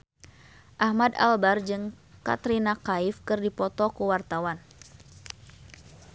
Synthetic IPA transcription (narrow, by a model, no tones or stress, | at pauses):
ʔahmada̰lbard͡ʒɨŋ | ka̰t̪ɾinakaifkɨrdipɔt̪ɔkuwart̪awan